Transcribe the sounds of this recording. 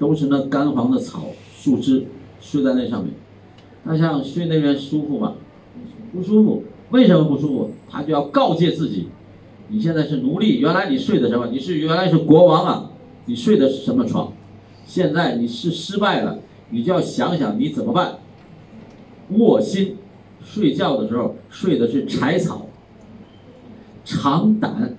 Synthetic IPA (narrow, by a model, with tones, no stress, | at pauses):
ʈ͡ʂʊ˥ŋʂə˧˥d̪ə˧ka˥nxwɑ˧˥ŋd̪ə˨t͡sʰɑ̰˨˩˦ʊ | ʂu˥˩ʈ͡ʂɻ̩˥ | ʂwɪt͡sa˧ɪne˥˧ɪʂɑ˥˧ŋmjɛ̰˥˩n | t̪ʰa˥ɕ̬jɑ˥˧ŋʂwe˥˧ɪne˥˩ɪ˩jɛ˧˥nʂu˥fu˥˩mɐ̰˩ | ni˨˩ʂ̩˥˩˧pu˥˩ʂu˥fṵ˥˩we˥˩ɪʂə˧˥mə˧pu˥˩ʂu˥fṵ˥˩t̪ʰa̰˥t͡ɕjʊjɑ˥˧ʊkɑ˥˧ʊt͡ɕjɛ˥˧t͡sɹ̩˥˩t͡ɕḭ˨˩˦ | ni˨˩ɕjɛ˥˧nt͡sa˥˧ʂɻ̩˥˩nu˧˥li˥˩jɛ˧˥la˧˥ɪni˨˩ʂwe˥˩ɪd̪ə˩ʂə˧˥nmə˧˩ni˨˩ʂɻ̩˥˩jla˧ɪʂɻ̩˥˩kwɔ˧˥wɑ˧˥ŋɐ̰˨ | ni˨˩ʂwe˥˩ɪd̪ə˩ʂɻ̩˥˩ʂə˧˥nmə˧ʈ͡ʂʰwɑ̰˧˥ŋ | ɕjɛ˥˧nt͡sa˥˩ɪni˨˩ʂɻ̩˥˧ʂɻ̩˥pa˥˩ɪlə̰˩ | ni˨˩t͡ɕjo˥˧jɑ˥˩ʊɕjɑ˧˥ŋɕjɑ̰˧˩ŋni˧˥t͡sə˨˩nmə˦pa˥˩n | wwɔ˥˩ɕi˥n | ʂwe˥˧ɪt͡ɕjɑ˥˩ʊd̪ə˩ʂɻ̩˧˥xo̰˧˩ʊʂwe˥˩ɪd̪ə˩ʂɻ̩˥˩ʈ͡ʂʰa˧˥ɪt͡sʰɑ̰˨˩˦ʊ | ʈ͡ʂʰɑ˧˥ŋt̪a̰˧˥˦n